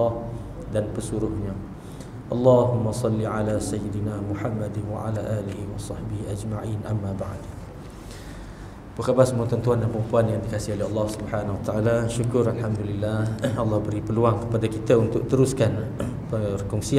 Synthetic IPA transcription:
h | danpəsuɾʊhɲã | ʔɑlːɑɦʊmːasˤɑlːiʕalasajɪdinamuħamːadnwa̰ʕa̰laʔaːlihiwɑsɑħbihiʔad͡ʒmaʕinʔamːaba̰ʕd | bəkabasəmuant̪ɔnt̪uandanpəɾəmpuanjaŋdikasɪholɛɦɑlːɑhsubħanawat̪aʔalaʃukʊɾalħamd̪ulilːahɑlːɑhbəɾipəluaŋkə̥padakit̪aunt̪ʊʔ̚t̪əɾuskan | pərkɔŋsi

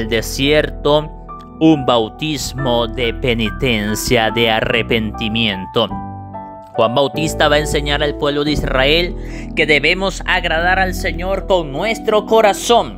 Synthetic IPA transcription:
ld̪e̞sje̞ɾt̪o̞ | umbawt̪izmo̞ðe̞pe̞nit̪e̞nsjaðe̞arepent̪imjent̪o̞ | xwambawt̪ist̪aβaense̞ɲaɾalpwe̞βloðeisrae̞lke̞ðe̞βe̞mo̞saɣɾaðaɾalse̞ɲo̞ɾko̞ŋnwe̞st̪ɾo̞koɾaso̞ŋ

